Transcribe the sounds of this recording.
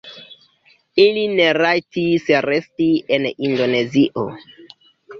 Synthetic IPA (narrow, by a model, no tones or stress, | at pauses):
ilineɾajtisɾestienindo̞ne̞ziʔo̰